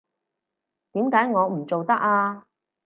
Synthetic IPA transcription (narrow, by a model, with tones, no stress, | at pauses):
t̪iː˨˥mkaː˨˥jŋɔː˨˧m̩˨˩t͡so˨wt̪ɐ˥k̚aː˧